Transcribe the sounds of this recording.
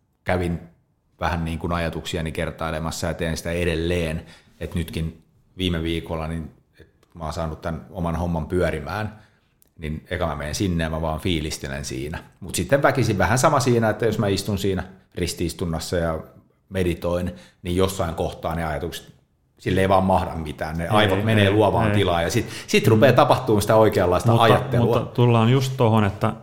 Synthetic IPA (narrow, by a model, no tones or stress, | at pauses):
kæʋin | ʋæhænniːŋkunɑjɑt̪uksiɑnikert̪ɑilemɑsːɑjɑt̪eːnsi̥t̪æedelːeːn | et̪nyt̪kin | ʋiːmeʋiːkolːɑnin | et̪ | mɑːnsɑːnut̪t̪ænomɑnhomːɑmpyœɾimæːn | nineikæmæmeːnsinːejɑmæʋɑːfiːlist̪elḛnsḭːnæmut̪sit̪ːeʋʋækisiʋʋæhænsɑmɑsiːnæet̪ːæjosmæist̪unsiːnærist̪iist̪unːɑsːɑjɑ | medit̪oin | nijjosːɑiŋkoht̪ɑːneɑjɑt̪ukse̥t̪ | silːeiʋɑːmmɑhdɑmmit̪æːnneʔɑiʋomeneːluɑʋɑːnt̪ilɑːjɑsit̪sit̪rupeːt̪ɑpɑht̪uːnsi̥t̪æoikeːlːɑist̪ɑʔɑjɑt̪ːeluɑt̪ulːɑːnjust̪t̪ohonet̪ːæ